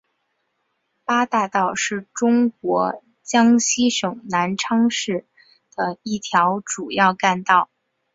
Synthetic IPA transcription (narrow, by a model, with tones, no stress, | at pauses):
pa˥t̪a˥˧t̪ɑ˥˧ʊʂɻ̩˥˩ʈ͡ʂʊ˥ŋk̚wɔ˧˥ | t͡ɕjɑ˥ŋɕi˥ʂɤ˨˩ŋna˧˥nʈ͡ʂʰɑ˥ŋʂɻ̩˥˩ | d̪̥ə˩i˥˩t̪ʰjɑ˧˥ʊʈ͡ʂu˨˩jɑ˥˧ʊka˥˧nt̪ɑ˥˩ʊ